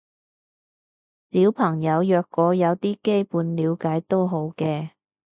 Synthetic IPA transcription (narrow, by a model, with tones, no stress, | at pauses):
liː˨˥wpʰɐ˨˩ŋjɐ˨˧wjœː˨˧kːɔː˨˥jɐ˨˧wt̪iː˥ke˥jpuː˨˧nliː˨˧wkaː˨˥jt̪o˥wɦo˨˥wkɛː˧